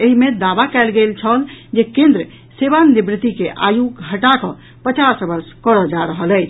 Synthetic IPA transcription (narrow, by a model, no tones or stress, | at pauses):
eɦimed̪abakɛlɡelt͡ʃʰəld͡ʒekẽnd̪ɾə | seβanibɾit̪ikeʔa̰juɡɡʱəʈakɔ̃ | pət͡ʃasbəɾskəɾəd͡ʒaɾəɦələjt͡ʃʰ